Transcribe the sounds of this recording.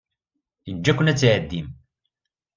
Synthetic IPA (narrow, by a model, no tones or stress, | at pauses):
ind͡ʒːækʷːʊnæt͡sːʕəd̪ːim